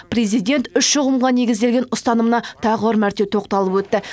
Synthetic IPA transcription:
pre̞zijd̪ʲe̞nt̪ʏʃʃʊʁəmʁɑne̞ɡʲɪzd̪e̞lɡʲe̞nʊst̪ɑnəmənɑt̪ʰɑʁəwɑɾmæɾt̪e̞wt̪ʰo̞q̚t̪ɑlˠəpwɵt̪ːɪ

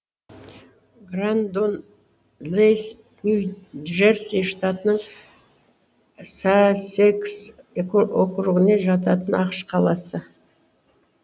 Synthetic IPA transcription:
ɡrand̪on | les | nʲuʒersijʃt̪at̪ənəɴ | saseks | oqəɾəʁəneʒɑt̪ɑt̪ənɑqə̥ʃqʰɑlˠɑsə

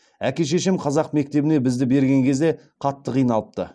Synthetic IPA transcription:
ækʲeʃ̬e̞ʃɪmqʰɑzɑqme̞k̚t̪e̞bɪne̞bɪzd̪ɪbe̞ɾɡʲe̞ŋkʲʰe̞zd̪e̞ | qʰɑt̪ːəqijnɑlˠəp̚t̪ə̰

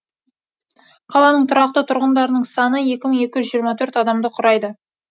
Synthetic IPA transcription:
qʰɑlˠɑnəɴt̪ʰʊɾɑq̚t̪ət̪ʰʊɾʁənd̪ɑɾənəɴsɑnəje̞kʲɪməŋe̞kʲɪʒʏzʒijəɾmɑt̪ʰɵɾt̪ɑd̪ɑmd̪əqʰʊɾɑjd̪ə

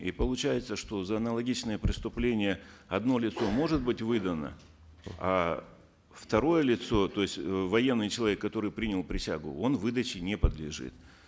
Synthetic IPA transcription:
ipəlˠʊt͡ɕæjɪt̪səʂt̪o̞zəɐnəlˠɐɡʲit͡ɕnəjəpɾʲɪst̪ʊplʲenʲɪjəɐd̪no̞lʲɪt̪so̞mo̞ʐɨt̪̚bɨtʲvɨd̪ənə̰ | a̰ | ft̪ɐɾo̞jəlʲɪt̪so̞t̪o̞jɪsʲtʲvɐjenːɨjt͡ɕɪlˠɐvʲekːɐt̪o̞ɾɨjpɾʲinʲɪlˠpɾʲɪsʲa̰ɡʊ̰o̞nvɨd̪ət͡ɕɪnʲepəd̪lʲɪʐɨ̰t̪

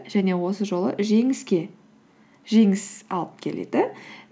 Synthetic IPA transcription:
ʒ̥æne̞wo̞səʒo̞lˠə̰ʒe̞ŋɪskʲe̞ | ʒe̞ŋɪsɑ̰lˠəp̚kʲʰe̞lḛd̪ɪ

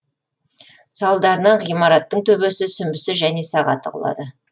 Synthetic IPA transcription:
sɑlˠd̪ɑɾənɑɴʁijmɑɾɑt̪ːəɴt̪ʰɵbesɪsʏmbɪsɪʒæne̞sɑʁɑ̰t̪əqʰʊ̰lˠɑ̰d̪ə

